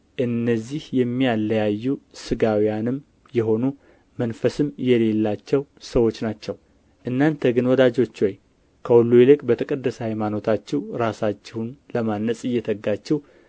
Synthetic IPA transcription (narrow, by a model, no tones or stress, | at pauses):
ʔɨnːəzːihjɛmːijalːəjajːusɨɡawijanɨm | jɛɦo̞nu | mənfəsɨmjɛle̞lːat͡ʃːɛwsəwo̞t͡ʃːnat͡ʃːɛw | ʔɨnːant̪ʰəɡɨnwɔd̪ad͡ʒo̞t͡ʃːwoj | kʰəwɔlːujelɨkʼbət̪ʰəkʼəd̪ːəshajmano̞t̪ʰat͡ʃːɛwɾasat͡ʃːɛhunləmanːəsʼɨjːɛt̪ʰəɡːat͡ʃːɪh